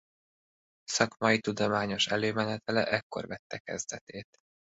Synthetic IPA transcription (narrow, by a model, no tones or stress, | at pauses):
sɒkmɒit̪ud̪o̞maːɲo̞ʃɛløːmɛnɛt̪ɛlɛ̰ʔɛkːo̞̰rvɛt̪ːɛkɛ̰zd̪ɛt̪eːt̪